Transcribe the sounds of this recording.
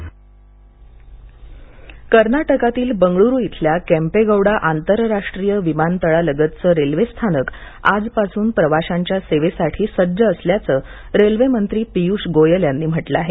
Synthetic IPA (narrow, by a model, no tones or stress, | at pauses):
kəɾnaʈəkat̪iːlbəŋɡɭuɾujit̪ʰljakæ̃mpeɡəwɽaʔant̪əɾɾaʂʈɾijəʋimant̪əɭaləɡət̪t͡səɾelʋest̪ʰanək | a̰d͡zpasuːnpɾəʋaɕaɲt͡ɕjaseʋesaʈʰiːsəɾd͡zəːsljat͡səː | ɾelʋemənt̪ɾiːpijuːʂɡojəljanːiːm̤əʈləaɦe